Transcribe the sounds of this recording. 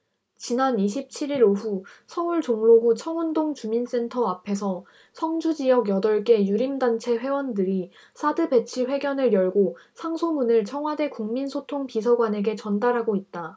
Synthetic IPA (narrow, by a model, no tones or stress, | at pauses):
t͡ɕinaniɕ̬ʰip̚t͡ɕʰiɾiɾoɸusʰʌuɭt͡ɕoŋɭoɡut͡ɕʰʌŋundoŋt͡ɕumins͈e̞ntʰʌapʰe̞sʰʌ | sʰʌŋd͡ʑud͡ʑijʌɡjʌdʌɭk͈e̞juɾimdant͡ɕʰe̞ɸwe̞wʌndɯɾi | sʰadɯbe̞t͡ɕʰiɸwe̞ɡjʌnɯɾjʌɭɡosʰaŋsʰomunɯɭt͡ɕʰʌŋwade̞kuŋminsʰotʰoŋpisʰʌɡwane̞ɡe̞t͡ɕʌndaɾɦaɡoit̚t͈a